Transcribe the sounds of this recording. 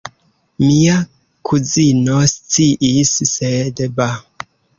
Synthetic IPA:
mia | kʰuzinost͡siʔisːedba

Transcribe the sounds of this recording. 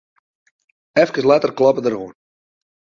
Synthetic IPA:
ɛfkəslatərklɑpədərɦuən

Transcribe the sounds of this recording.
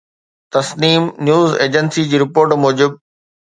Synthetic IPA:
t̪ɐsniːmnjuːzeːd͡ʑənsid͡ʑiːɾɪpoːɾʈmoːd͡ʑɪb̚

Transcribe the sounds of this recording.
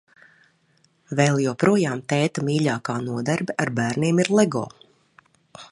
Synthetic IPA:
vɛlˠjɔwpɾuɔjaːmt̪ɛːt̪amiːʎaːkaːnuɔd̪aɾbɛʔaɾbæːɾniːmiɾlˠɛɡɔ̰ː

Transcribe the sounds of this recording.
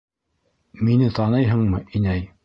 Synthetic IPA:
minɘt̪ɑnɤjɦɤ̆ɴmɤʔinæj

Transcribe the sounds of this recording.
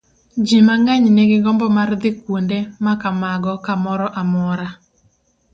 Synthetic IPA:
d͡ʒimaŋɡaɲneɡɪɡɔmbɔmard̪ɪkwondemakamaɡɔkamɔɾɔʔamɔɾa

